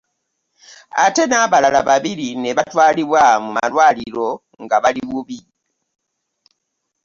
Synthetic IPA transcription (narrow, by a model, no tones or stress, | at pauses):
a̰te̞naːβalala̰βaβilineβatwaːliβwamuma̰lwaːlilo̞ | ŋɡaβaliβuβi